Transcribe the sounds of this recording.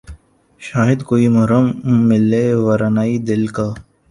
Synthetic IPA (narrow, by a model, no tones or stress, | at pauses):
ʃaːɦɪd̪koːimɐɦɾəmːɪlːeʋɐɾanaːid̪ɪlkaː